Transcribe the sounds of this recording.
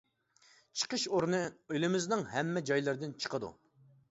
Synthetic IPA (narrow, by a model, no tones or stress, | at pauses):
t͡ʃʰə̥qʰəʃoɾnɨylɪmɪznɪŋɦɛmːɛd͡ʒɑjlˠɨɾd̪ɪnt͡ʃʰə̥qʰəd̪ṵ